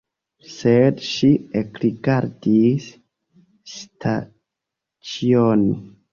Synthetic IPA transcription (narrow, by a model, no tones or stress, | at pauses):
sedʃiekɾiɡaɾdis | tʰa | t͡ʃioni